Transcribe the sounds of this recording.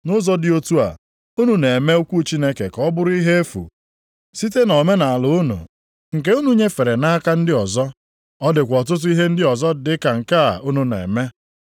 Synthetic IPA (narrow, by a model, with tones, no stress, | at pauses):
nʊ˦zɔ˦dɪ˨o˦tu˦a̰˨ | u˦nu˨ne˨me˦u˦kʷu˦t͡ʃi˦ne˦ke˨kɔ˦bʊ˦ɾʊ˦i˦ɦe˦e˦fṵ˨ | si˦te˦nɔ˨me˦na˨a˨lʊ˨ʊ˦nṵ˨ | ŋ̩˨ke˦u˦nu˦ɲe˦fe˨ɾe˨na˦ka˦n̩˦dɪ˦ɔ˨zɔ˦ | ɔ˦dɪ˨kʷɔ˨t̬ʊ˦t̬ʊ˦i˦ɦe˦n̩˦dɪ˦ɔ˨zɔ˦dɪ˦ka˨ŋ̩˨ka˦a˨u˦nu˨nḛ˨me˦